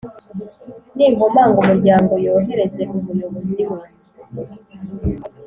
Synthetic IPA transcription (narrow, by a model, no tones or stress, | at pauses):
niːŋo̞maːŋɡumuɾɟaːŋɡo̞jo̞ːɦe̞ɾe̞ze̞ʔumujo̞βoziwe